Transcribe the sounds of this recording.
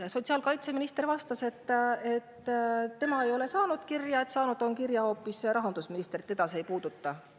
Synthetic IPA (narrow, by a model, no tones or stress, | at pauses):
so̞t̪siɑːlkɑjt̪se̞minist̪e̞rvɑst̪ɑse̞t̪ːˑe̞t̪ːe̞mɑe̞jo̞le̞sɑːnud̪kirjɑet̪sɑːnud̪o̞nkiɾjɑo̞ːpːˑisɾɑɦɑnd̪usminist̪rit̪ːˑe̞d̪̥ɑse̞jpuːd̪̥ut̪ːɑ